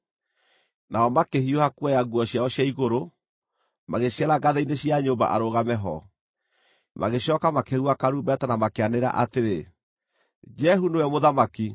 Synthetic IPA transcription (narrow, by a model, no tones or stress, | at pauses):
naɔmakeɦiohakuajaɡuɔɕjaɔɕjaiɣoɾo | maɣeɕaɾaɡaðeineɕiaɲoːmba̰ʔaɾoɣamɛɦɔ̰ | mʔa̰ɣeɕɔkamakeɣuakaɾuːmbɛtanamakeaneɾa̰ʔateɾe | d͡ʒɛɦunewɛmoðamaki